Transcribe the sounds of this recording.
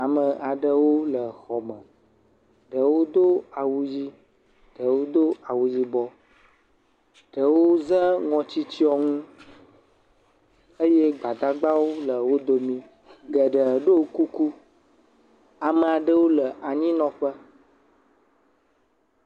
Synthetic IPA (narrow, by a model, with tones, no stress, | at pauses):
a˨mə̃˨ʔa˨ɖə˦wo˦lə˨xɔ˨mə̃˨ | ɖə˨wo˦d̪o˦a˨wu˦d͡ʑi˦ | ɖ̥ə˨wo˦d̪o˦a˨wu˨d͡ʑi˦bɔ˦ | ɖ̥ə˨wo˦zə̃˦ŋɔ̃˨t͡ɕi˦t͡ɕi˦ɔ˦ŋũ˦ | ə˦jɛ˦ɡ͡ba˨d̪a˦ɡ͡ba˦wo˦lə˨wo˦d̪o˨mĩ˦ | ɡə˨ɖə˨ɖo˦ku˦ku˦ | a˨mə̃˨a˨ɖə˦wo˦lə˨ʔa˨ɲĩ˦nɔ̃˦ɸə˦